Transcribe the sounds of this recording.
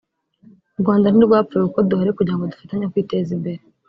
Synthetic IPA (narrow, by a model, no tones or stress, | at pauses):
uɾɡwaːndaniɾɡwaːfueuko̞duhaɾe̞kuɟiɾaŋɡodufataɲakwiːte̞zimbe̞ɾe